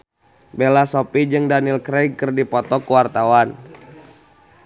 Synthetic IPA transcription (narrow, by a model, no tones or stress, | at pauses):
belasɔpid͡ʒɨŋdanilkɾɛɡ̚kərdipɔt̪ɔkuwart̪awan